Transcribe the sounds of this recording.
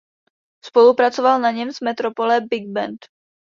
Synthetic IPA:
spo̞lupɾat͡sovalnaɲɛmzmɛt̪ɾo̞po̞lɛbɪɡ̚bɛ̰nt̪

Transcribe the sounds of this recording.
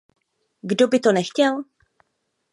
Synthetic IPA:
ɡdobɪt̪onɛxcɛl

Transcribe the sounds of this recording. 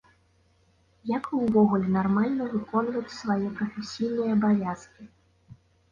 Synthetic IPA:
jakuwvɔɣulʲɛnarmalʲnɐvɨkɔnvɐt͡sʲsvajipɾɐfʲɛsʲijnɨjɐːbavʲaskʲi

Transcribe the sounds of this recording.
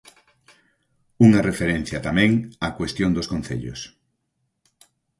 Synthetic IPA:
uŋarefeɾen̟θjɐt̪amɛ̃ŋakwest̪jõnd̪oskõnθḛʎʊ̰s

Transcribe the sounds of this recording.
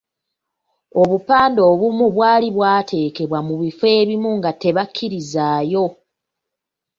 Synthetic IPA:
o̞βupaːndo̞ːβumuβwaːliβwaːtʰe̞ːke̞βwamuβifwe̞ːβimuŋɡate̞βakʰːiɾizaːjo̞

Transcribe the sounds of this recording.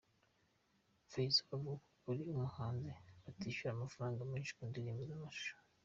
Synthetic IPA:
fesavu | uɾiumuhaːnzeatiːʃuɾamafaɾaːŋɡamiːnʃi̥kundiɾiːmbizamaʃʃu̥ɾi

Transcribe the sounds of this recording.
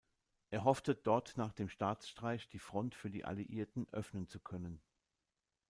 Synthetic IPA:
ʔeːɐɦɔftəd̥ɔɐtnaːχd̥eːmʃtaːt͡sʃtʁ̥aɪçd̥iːfʁ̥ɔntfyːɐdḭːʔa̰liʔiːɐtn̩ʔœfnənt͡sukʰœnən

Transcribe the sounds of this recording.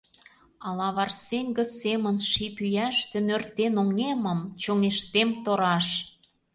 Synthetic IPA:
ɑlɑβɑrseŋʲɡə̆semə̆nʃipyjæʃt̪ĕnørt̪enoŋeməmt͡ɕoŋeʃt̪emt̪oɾɑʃ

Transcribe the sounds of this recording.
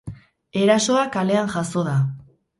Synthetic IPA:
e̞ɾaso̞akale̞anʝaso̞ða

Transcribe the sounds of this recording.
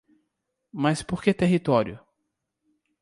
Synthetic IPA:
mɐspoɾket̪eɦit̪ɔɾjʊ

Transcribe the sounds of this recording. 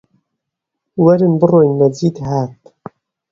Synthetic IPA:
wɛɾɨnbɨroːjnɛziːt̪haːt̪

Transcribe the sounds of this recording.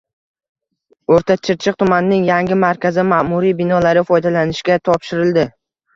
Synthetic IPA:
oɾt̪ʰat͡ʃʰɪɾt͡ʃʰɨq̚t̪ʰʊmanɪnɪŋjaŋɡʲɪmaɾkʲʰazɪmamʊɾibɪnɒlaɾɪfɒjd̪alanɪʃkʲat̪ʰɒpʃɪɾɪld̪ɪ

